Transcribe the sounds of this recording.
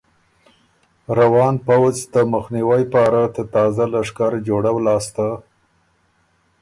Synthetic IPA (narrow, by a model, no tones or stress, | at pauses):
ɾawɑnpawzd̪əməxniwajpɑɾad̪ət̪ɑzalaʂkaɾd͡ʒoɽawlɑːst̪a